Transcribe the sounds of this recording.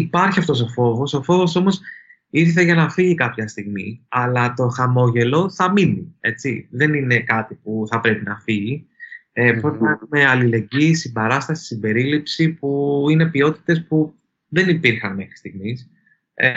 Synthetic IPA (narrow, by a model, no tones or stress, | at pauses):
ipɐɾçiɐft̪o̞so̞fo̞vo̞so̞fo̞vo̞so̞mo̞s | iθθeʝɐnɐfiʝikɐpçɐst̪iɣmiɐlɐt̪o̞xɐmo̞ʝe̞lo̞θɐminie̞t͡siðe̞nine̞kɐt̪ipuθɐpɾe̞pinɐfiʝiepɾot̪ɐnɐexume̞ɐlile̞ɲɟisibɐɾɐst̪ɐsi̥simbe̞ɾilipsipuine̞pio̞t̪i̥t̪e̞spu | ðe̞nipiɾxɐnme̞xɾi̥st̪iɣmis